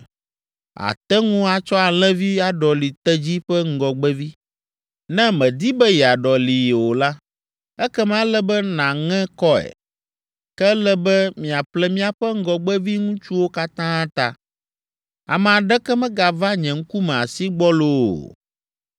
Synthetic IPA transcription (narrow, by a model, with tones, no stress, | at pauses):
a̰˨t̪ɛ˦ŋũ˦a˨t͡ʃɔ˦a˨l̃ɛ̃˦vi˦a˨ɖɔ˨li˨t̪ɛ˦d͡ʑi˦ɸɛ˦ŋ̩˦ɡɔ˨ɡ͡bɛ˦vi˦ | nɛ̃˦mɛ̃˨d̪i˦bɛ˦jɛ˨a˨ɖɔ˨li˨jwo˨la˦ | ɛ˦kɛ˦m˦ã˦lɛ˦bɛ˦nã˨ŋɛ̃˦kɔ˦ɛ̰˨ | kɛ˦lɛ˦bɛ˦mĩ˨a˨ɸlɛ˦mĩ˦a˨ɸɛ˦ŋ̩˦ɡɔ˨ɡ͡bɛ˦vi˦ŋũ˦t͡ʃu˦wo˦ka˦t̪ã˦t̪a˨ | a̰˨mɛ˨a˨ɖɛ˦kɛ˦mɛ̃˦ɡa˨va˦ɲɛ̃˨ŋ̩˦ku˦mɛ̃˨a˨si˦ɡ͡bɔ˦lo˦˨o̰˨